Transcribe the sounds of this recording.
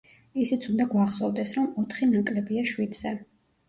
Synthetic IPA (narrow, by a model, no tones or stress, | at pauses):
isit̪sʰund̪aɡwaχsɔvd̪ɛsɾɔmɔt̪ʰχinakʼlɛbiaʃwid̪z̥ɛ